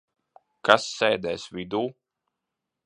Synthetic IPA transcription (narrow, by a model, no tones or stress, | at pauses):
kasːɛːd̪ɛːsvid̪uː